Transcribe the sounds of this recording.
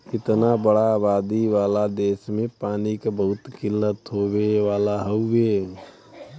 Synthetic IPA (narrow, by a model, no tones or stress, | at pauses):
kɪt̪nabəɽaːβad̪iʋalad̪esmẽpaːnikebəɦʊt̪kɪlːət̪ɦobeʋalaɦəʊbe